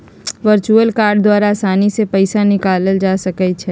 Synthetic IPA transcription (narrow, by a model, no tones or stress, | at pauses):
ʋəɾt͡ʃuəlkaːɾɖd̪waːɾaːsaːnisepɛɪsanɪkaːləld͡ʒaːsɐkət͡ʃʰɛː